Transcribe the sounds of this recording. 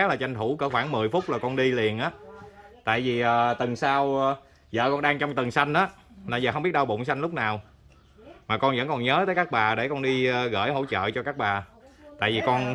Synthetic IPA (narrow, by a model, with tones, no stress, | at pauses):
laː˨˩t͡ɕa˧jŋ̟tu˧˩kəː˧˩xwaː˧˩ŋmɨ˨˩əjfʊ˦˥k͡p̚laː˨˩kɔ˧nɗi˧li˨˩ənʔaː˨˦t̪a̰ː˧˨jvi˨˩ʔəː˨˩t̪ɨ˨˩ŋsaː˧w | zə̰ː˧˨kɔ˧nɗaː˧ŋt͡ɕɔ˧wŋ͡mt̪ɨ˨˩ŋsa˧jŋ̟ʔaː˨˦ | laː˧˩jzəː˨˩ɦwŋ͡mɓi˦˥ət̚ɗa˧wɓo̰˧˨nsa˧jŋ̟lʊ˦˥k͡p̚naː˨˩w | maː˨˩kɔ˧nvə̰˧˥nkɔ˨˩nɲəː˨˦t̪əː˨˦jkaː˦˥k̚ɓaː˨˩ɗe˧˩kɔ˧nɗiː˧ɣə̰ː˧˩jɦo̰˧˥˦t͡ɕə̰ː˧˨t͡ɕɔ˧kaː˦˥k̚ɓaː˨˩ | t̪a̰ː˧˨jvi˨˩kɔ˧n